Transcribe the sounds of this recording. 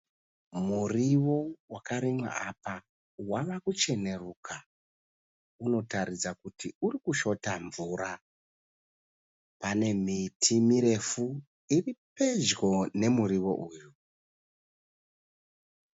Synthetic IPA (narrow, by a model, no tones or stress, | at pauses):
muriwo̞wakaɾimwa̰ʔapa | waʋakut͡ʃe̞ne̞rukʰa | uno̞taɾid͡zakutʰiurikuʃo̞taɱvuːɾa | pane̞mitʰimiɾe̞fu | iripe̞d͡ʒɡo̞ne̞muɾiʋo̞̰ʔuːju